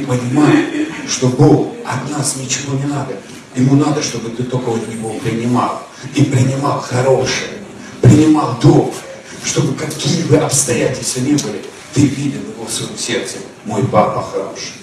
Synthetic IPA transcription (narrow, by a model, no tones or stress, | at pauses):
pənʲɪmajɪʂt̪o̞bɨlˠɐt̪nasnʲɪt͡ɕɪvo̞nʲɪnad̪ə | jɪmunad̪əʂt̪o̞bɨt̪ɨt̪okəət̪nʲɪvopɾʲɪnʲɪmalˠ | ipɾʲɪnʲɪmalˠxɐɾo̞ʂɨjə | pɾʲɪnʲɪmalˠd̪ok | ʂt̪o̞bɨkɐkʲijɪbɨʔɐpst̪ɐjætʲɪlʲst̪vənʲebɨlʲɪ | t̪ɨvʲidʲɪlˠjɪvo̞fsvɐjomsʲe̞rt̪sɨ | mo̞jpapːɐxɾa̰nʂɨ